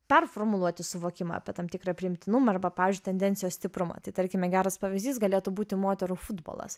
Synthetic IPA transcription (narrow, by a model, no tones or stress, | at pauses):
pʲɛrfoːɾmʊlˠuɔt̪ʲɪsʊʋoːkʲɪmɐ̰ɐpʲɛt̪ɐmʲt̪ʲɪkɾɐpʲɾʲɪɪmʲt̪ʲɪnʊmɐɐɾbɐpɑːʋʲɪːzʲd͡ʒʊɪt̪ʲɛnʲd̪ʲɛnʲtsʲɪjoːssʲt̪ʲɪpɾʊmɐ̰t̪ɐɪt̪ɐɾʲkʲɪmʲɛɡʲæːɾɐspɐʋʲɪzʲd̪ʲiːsɡɐlʲeːt̪uːbuːt̪ʲɪmoːt̪ʲɛɾuːfʊd̪bo̰ːlˠɐ̰s